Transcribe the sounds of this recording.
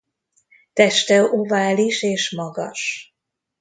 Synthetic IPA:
t̪ɛʃt̪ɛovaːliʃeːʃmɒɡɒʃ

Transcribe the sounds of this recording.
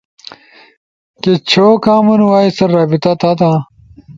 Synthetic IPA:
ket͡ɕʰoːkaːmunwaːisɐɾːaːbit̪ɐt̪ɐt̪ã

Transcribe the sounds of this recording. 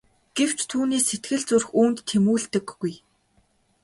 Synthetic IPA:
ɡ̥ew̥t͡ɕt̪ʰuːneːset̪ɡɘ̆ɮt͡surxuːnt̪ʰːemuːɮt̪ɘ̆ɡːuj

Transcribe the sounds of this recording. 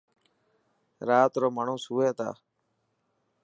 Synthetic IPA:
ɾaːt̪ɾoːmaːɳ̤õːsuːeːt̪a̰ː

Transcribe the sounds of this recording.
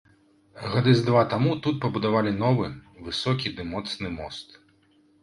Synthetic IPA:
ɣad̪ɨzd̪vat̪amut̪ut̪̚pɐbud̪avalʲin̪ɔvɨvɨsɔkʲid̪ɨmɔt̪snɨmɔst̪

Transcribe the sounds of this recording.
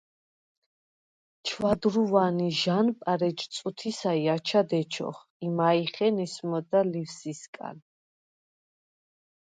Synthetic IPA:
t͡ʃʰwad̪ɾuvaniʒanpʼaɾɛd͡ʒt̪sʼut̪ʰisaiat͡ʃʰad̪ɛt͡ʃʰɔ̰χ | imaiχɛnɛsmɔd̪alifsiskʼa̰l

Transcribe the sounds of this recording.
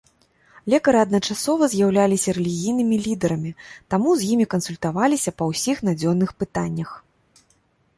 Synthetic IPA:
lʲɛkɐɾɨɐd̪nɐt͡ʂasɔvɐzʲjawlʲalʲisʲɐɾɛlʲiɣʲijnɨmʲilʲid̪ɛɾɐmʲit̪amuzjimʲikɐnsulʲt̪avalʲisʲɐpɐwsʲixn̪ad͡zʲɔnːɨxpɨt̪anʲːɐx

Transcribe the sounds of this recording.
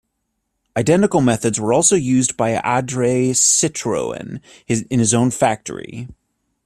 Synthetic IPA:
aɪdɛ̃ntɨkl̩ˠmɛθɨdzwə˞ɔlˠsoʊjʉzbaɪæ̰dɹeɪsɪtɹ̥o̰ʊɨ̰̃n | ɨɨ̃nɨzõʊ̃nfæk̚tʰə̰˞ḭ

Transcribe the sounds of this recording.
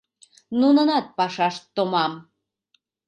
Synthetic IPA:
nunənɑt̪̚pɑʃɑʃt̪ːomɑm

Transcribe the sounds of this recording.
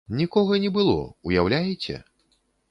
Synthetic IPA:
nʲikɔɣɐnʲɛbɨlˠɔ̰ujawlʲajet͡sʲɛ̰

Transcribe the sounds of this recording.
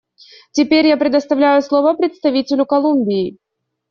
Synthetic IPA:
tʲɪpʲeɾʲjapɾʲɪd̪əst̪ɐvlʲæjʊslˠo̞vəpɾʲɪt̪st̪ɐvʲitʲɪlʲʊkɐlˠumʲbʲɪɪ

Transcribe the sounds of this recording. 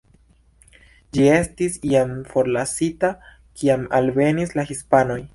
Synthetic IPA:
d͡ʒie̞stisiamfo̞ɾlasita | kʰiamalve̞nislaxispano̞j

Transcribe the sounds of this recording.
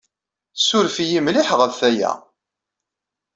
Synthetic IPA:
sʊɾfijimliħʁəvθæjæ̰

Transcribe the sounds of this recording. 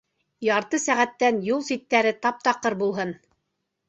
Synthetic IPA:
jɑɾt̪ɤsæʁæt̪ːænjulˠsit̪ːæɾɘt̪ɑp̚t̪ɑqːɤɾbulˠɦɤn

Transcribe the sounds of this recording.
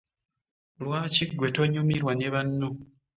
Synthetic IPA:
lwaːciɡːwe̞toɲumiɾwaneβanːo

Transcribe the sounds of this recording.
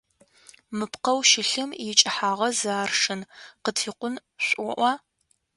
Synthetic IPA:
mɨpqɐwʃɪɬɨmjɛt͡ʃʼɐħaːʁɐzaːrʂɨnqətʰiːqʷʊn | ɕʷʼʊʔʷɑ

